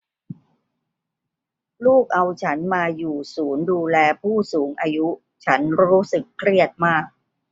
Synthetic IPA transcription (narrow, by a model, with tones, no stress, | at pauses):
luː˥˩k̚ʔa˧wt͡ɕʰa˦˥nmaː˧juː˨˩suː˩˦nduː˧lɛː˧pʰuː˥˩suː˩˦ŋʔaː˧ju˦˥ | t͡ɕʰa˦˥nɾuː˦˥sɯ˨˩kʰːɾi˥˩ət̪̚maː˥˩k̚